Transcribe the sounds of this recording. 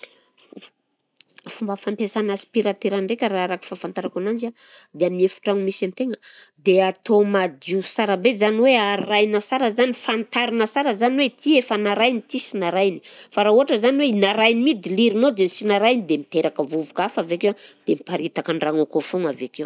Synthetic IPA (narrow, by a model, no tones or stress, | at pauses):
fumbəfampesanaspiɾat̪eɾaɳɖ͡ʐekʲəɾaaɾaki̥fafant̪aɾakanand͡ʒad̪eamiefu̥ʈ͡ʂaŋimisant̪eŋəd̪eat̪omad̪iusaɾabezaniweaɾirajnasaɾəzanifant̪aɾinəsaɾəzaniwet̪iefanaɾajnit̪isinaɾajni̥faɾauɦaʈ͡ʂəzaniweinaɾajnimid̪iliɾinod̪ensinaɾajnid̪emit̪eɾakəvuvukafavekewd̪̥emipaɾit̪akanraŋakofuŋavekew